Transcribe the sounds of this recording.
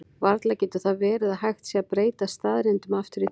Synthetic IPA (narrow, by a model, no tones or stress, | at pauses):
vaɾt̪lacɛːt̪ʏ̥θaðvɛːɾɪðaðɦajxt̪siaðpɾeːjt̪ast̪aːðɾent̪ʏmaft̪ʏɾi